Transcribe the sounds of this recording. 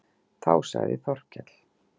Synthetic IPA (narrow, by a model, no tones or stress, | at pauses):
t̪ʰaːwsavɪθɔr̥cɛt̪l̥